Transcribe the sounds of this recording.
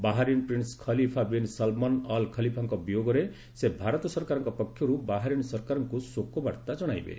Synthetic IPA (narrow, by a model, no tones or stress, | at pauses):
baɦaɾinpɾinskʰʌlipʰabinsalmɔnɔlkʰʌlipʰaŋkɔbijoɡɔɾe | sebʱaɾɔt̪ɔsʌɾkaɾɔŋkɔpɔkʰjɔɾubaɦaɾinsʌɾkaɾɔŋkusokobaɽt̪ad͡zʌɽ̃ajbḛ